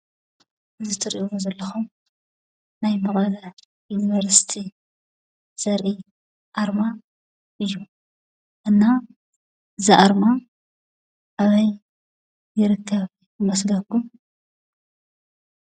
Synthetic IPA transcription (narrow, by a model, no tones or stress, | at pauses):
ɨzɨt̪ʰɐɾiʔuozɐlːɐxum | najmɐɣʼɐlɐ | junivɐɾsi̥t̪ʰi | z̥ɐɾʔi | ʔaɾma | ʔɨjːu | ʔɨnːa | ɨziʔaɾma | ʔaβɐjː | ɪɾɨkʰːɐβ | ɨmɐsɡɐku